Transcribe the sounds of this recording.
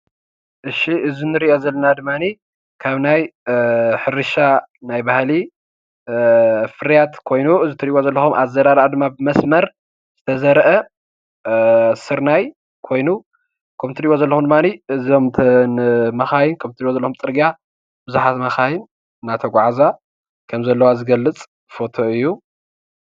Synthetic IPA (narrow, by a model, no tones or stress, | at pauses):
ʔɨʃiʔɨzinɨɾiʔozɐlːɐnad̪ɨmːani | kʰaβnaj | ħɨɾɨʃanajbahli | fɨɾjat̪kʰo̞jnuɨzit̪ʰɐɾiʔʔozɐlːɐxumʔa̰zɐɾaɾʔad̪ɨmːabɨmɐsmɐɾ | z̥ɨt̪ʰɐzɐɾʔɐ | sɨɾnaj | kʰo̞jnu | kʰɐmt̪ʰɨɾiwozɐlːɐxumd̪ɨmːaniɨzo̞mt̪ʰ | mɐxajnkʰɐmt̪ɨɾiwozɐlːɐxumt͡s̪ʼɨɾɡa | bɨzuħat̪mɐxajɪn | nat̪ʰɐɡʷaʕaza | kʰɐmzɐlːɐwazɨɡɐlːɨt͡sʼ | fo̞t̪ʰo̞ɨjːu